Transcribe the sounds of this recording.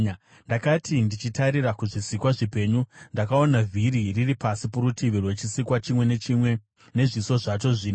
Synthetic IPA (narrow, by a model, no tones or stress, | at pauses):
ndakatʰindit͡ʃitaɾirakuʐisikwaʐipe̞ːɲundakao̞navʱiɾiriripasipuɾutʰiʋirwe̞t͡ʃisikwat͡ʃimwe̞neiwe | ne̞ʐiso̞ʐat͡ʃo̞ʐiːn